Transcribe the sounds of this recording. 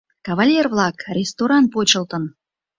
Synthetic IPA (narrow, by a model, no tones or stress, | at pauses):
kavalʲːervlˠɑkrʲest̪oɾɑnt̚pot͡ɕə̆lˠt̪ən